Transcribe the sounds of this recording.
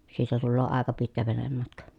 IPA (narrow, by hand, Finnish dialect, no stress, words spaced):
siːtæ tulːoː ɑˑekɑ pitkæ ʋenemːɑtkɑ